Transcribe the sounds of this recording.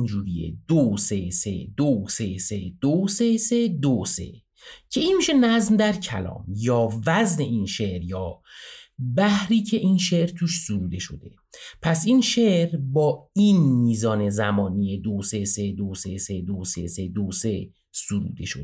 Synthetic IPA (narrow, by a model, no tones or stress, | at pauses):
nd͡ʒuːɾiḛd̪̥osesḛd̪̥osesed̪̥osesed̪osḛ | cʰe̞iːnmiːʃenæzmd̪æɾcʰæ̰lɒ̰ːmjɒːvæzne̞iːnʃeʔɾjɒː | bæhɾiːcʰe̞ʔiːnʃe̞ʔɾt̪ʰuːʃsoɾuːd̪e̞ʃo̞̰d̪e̞̰ | pʰæsiːnʃeʔɾbɒːinmiːzɒːnezæmɒːnied̪osesed̪osesed̪osḛsed̪ose̞ | suɾṵːd̪e̞̰ʃod̪